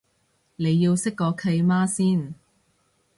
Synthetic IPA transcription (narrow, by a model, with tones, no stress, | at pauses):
ne˨˧jːiː˧wsɪ˥kːɔː˧kʰɐ˧jmaː˥siː˥˩n